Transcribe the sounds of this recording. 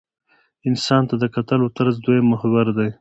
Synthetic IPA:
ɪnsɑnt̪ad̪əkat̪alot̪aɾzd̪ojemʊhwaɾd̪aj

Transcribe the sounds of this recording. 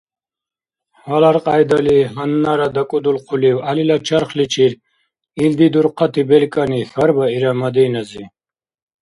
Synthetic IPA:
walaɾqʼajd̪aliɦanːaɾad̪akʼud̪ulqʰuliwalilat͡ʃʰaɾχlit͡ʃʰiɾ | ild̪id̪uɾqʰat̪ʰibɛlkʼanixaɾbaiɾamad̪ɛːnazi

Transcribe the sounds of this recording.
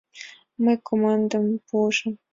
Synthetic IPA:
məjkomɑnd̪əmpuʐə̆m

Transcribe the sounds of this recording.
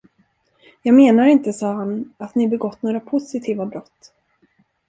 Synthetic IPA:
jɑːɡmeːnaɾɪnt̪əsɑːɦanat̪nɪbɛɡɔt̪ːnoːɾapʰʊsɪt̪ʰiːvabɾɔt̪ː

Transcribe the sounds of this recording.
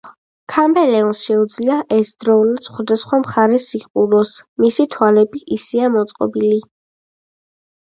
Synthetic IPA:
kʰambɛlɛɔsʃɛud̪zliaʔɛsd̪ɾɔulad̪sχwad̪asχwamχaɾɛsiqʼulɔsmisit̪ʰwalɛbiʔisiamɔt̪sʼqʼɔ̰bili

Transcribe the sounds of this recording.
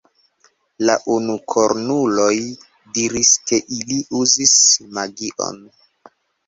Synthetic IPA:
la̰ʔunukʰoɾnulo̞j | diɾiske̞ʔiliʔuzismaɡiʔo̞̰n

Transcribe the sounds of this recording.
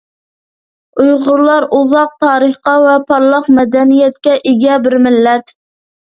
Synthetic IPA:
ujʁʊɾlˠɑɾuzɑq̚t̪ʰɑːɾəχqɑvɛpʰɑɾlˠɑqmɛd̪ɛnijɛt̪kʲɛʔeɡʲɛbɪɾmɪlːɛt̪

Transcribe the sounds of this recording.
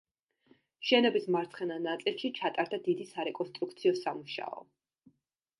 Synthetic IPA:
ʃɛnɔbismaɾt̪sʰχɛnanat̪sʼilˠʃit͡ʃʰat̪ʼaɾd̪ad̪id̪isaɾɛkʼɔnst̪ʼɾuk̚ʰt̪sʰiɔsamuʃa̰ɔ̰

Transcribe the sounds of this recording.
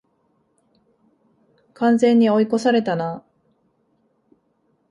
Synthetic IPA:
kãñd͡zẽ̞ɲ̟ːio̞iko̞saɾe̞t̪ana

